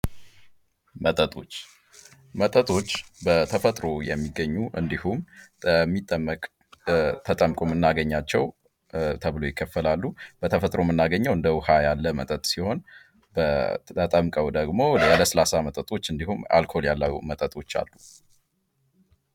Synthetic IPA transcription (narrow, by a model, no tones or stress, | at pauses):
mət̪ʼət̪ʼo̞t͡ʃː | mət̪ʼət̪ʼo̞t͡ʃːbət̪ʰəfət̪ʼɾo̞jɛ̰mːiɡːəɲːuʔɨ̰nd̪ihuməmːit̪ʼːəmːəkʼ | t̪ʰət̪ʼəmkʼomɨnːaɡəɲːat͡ʃːɛw | t̪ʰəβlo̞jɪkʰːəfːəlalːub̥ət̪ʰəfət̪ʼɾo̞mɨnːaɡəɲːɛwɨnd̪əwʊhajalːəmə̰t̪ʼət̪ʼsiho̞n | bəət̪ʼəmkʼəwd̪əɡmo̞aləsəlasamət̪ʼət̪ʼo̞t͡ʃːɨnd̪ihuma̰lkʰo̞ljalːamət̪ʼət̪ʼo̞t͡ʃːa̰lːu